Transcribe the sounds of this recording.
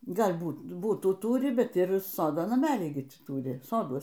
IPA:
ˈɡɐlʲ ˈbuːt ˈbʊtuː ˈtuːrʲɪ ˈbʲɛt ɪr ˈsoːdoː nɐˈmʲæːlʲiː ˈɡʲɪ ˈtʲiː ˈtuːrʲɪ ˈsoːduɔs

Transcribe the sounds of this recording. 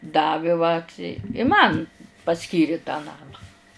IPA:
ˈdɑːʋʲɪ ʋɐt ɪ ɪ ˈmɐn pɐˈsʲkʲiːrʲɪ tɑː ˈnɑːmɑː

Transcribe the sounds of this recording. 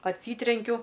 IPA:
ɐtʲˈsʲiːtʲrʲɛŋʲkʲʊ

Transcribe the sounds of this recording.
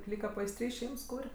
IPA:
ˈlʲiːkɐ pɐɪsʲˈtʲrʲiː ˈʃʲɛɪms ˈkuːrʲ

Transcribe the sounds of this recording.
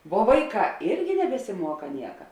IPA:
ʋuɔ ˈʋɐɪˌkɑː ˈɪrʲɡʲɪ nʲɛbʲɛsʲɪˈmuɔkɐ ˈnʲiɛkɐ

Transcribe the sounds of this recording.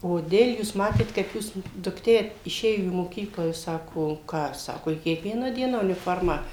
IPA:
koːˈdʲeːlʲ juːs ˈmɑːtʲeːt kɐɪp ˈjuːs dʊkˈtʲeː ɪˈʃʲeːjoː iː moːˈkʲiːklˠɑː juːs ˈsɑːkoː ˈkɑː ˈsɑːkoː ɪ kʲiɛkˈʋʲiɛnɑː ˈdʲiɛnɑː ʊnʲɪˈfoːrmɑː

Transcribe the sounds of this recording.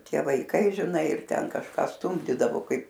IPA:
ˈtʲiɛ ʋɐɪˈkɐɪ ʒʲɪˈnɐɪ ɪr ˈtʲɛn kɐʃˈkɑː ˈstʊmʲdʲiːdɐʋoː ˈkɐɪp

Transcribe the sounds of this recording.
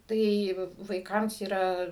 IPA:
ˈtɐɪ ʋɐɪˈkɐms iːˈrɐ

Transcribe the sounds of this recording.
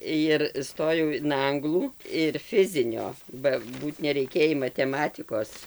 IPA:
jɪr ˈstoːjɛʊ ɪn ˈɐŋɡlˠuː ɪr ˈfʲɪzʲɪnʲoː bɐ ˈbuːt nʲɛrʲɛɪˈkʲeːjiː mɐtʲɛˈmɑːtʲɪkoːs

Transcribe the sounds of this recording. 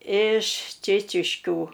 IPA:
ɪʃ ˈt͡ʃʲeːt͡ʃʲɪʃʲkʲuː

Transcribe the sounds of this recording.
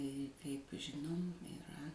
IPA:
kɐɪp ˈʒʲɪnoːm ɪˈrɐ

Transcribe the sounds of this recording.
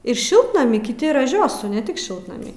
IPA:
ɪr ˈʃʲɪlˠtnɐmʲiː kʲɪˈtʲɪ rɐˈʒʲoːsʊ nʲɛ ˈtʲɪk ˈʃʲɪlˠtnɐmʲiː

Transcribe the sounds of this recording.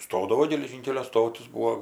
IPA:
ˈstoːdɐʋoː ɡʲɛlʲɛˈʒʲiːŋʲkʲɛlʲoː ˈstoːtʲɪs ˈbuːoː

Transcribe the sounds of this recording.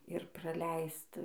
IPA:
ɪr prɐˈlʲɛɪst

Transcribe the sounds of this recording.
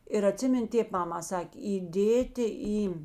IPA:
ɪr ɐˈtʲsʲɪmʲɪnʲ ˈtʲeːp ˈmɑːmɐ ˈsɑːkʲeː iːˈdʲeːtʲɪ ˈiː

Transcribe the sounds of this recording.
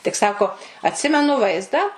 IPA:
tʲɪk ˈsɑːkoː ɐtʲˈsʲɪmʲɛnʊ ˈʋɐɪzdɑː

